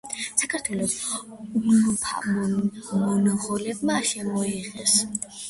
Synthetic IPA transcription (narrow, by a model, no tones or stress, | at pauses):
sakʰaɾt̪ʰwɛlˠɔsulupʰa̰mmɔnaʁɔlɛbmaːʃɛmɔiʁɛs